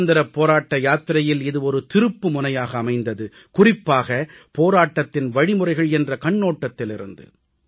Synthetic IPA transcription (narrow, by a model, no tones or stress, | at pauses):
nd̪ɪɾɐpːoːɾaːʈːɐjaːt̪ɪɾɐjɪlɪðɯɔɾɯt̪ɪɾɯpːɯmʊnɐjaːɣɐːmɐɪnd̪ɐðɯ | kʊrɪpːaːɣɐ | poːɾaːʈːɐt̪ːɪnʋɐɻɪmʊrɐɪɣɐɭɛndrɐkɐɳːoːʈːɐt̪ːɪlɪɾɯ̰nd̪ɯ̰